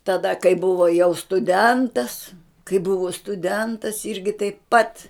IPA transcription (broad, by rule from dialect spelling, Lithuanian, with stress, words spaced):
tɐˈdɐ kɐɪ ˈbʊʋoː jɛʊ stʊˈdʲɛntɐs kɐɪ ˈbʊʋoː stʊˈdʲɛntɐs ˈɪrʲɡʲɪ tɐɪp pɐt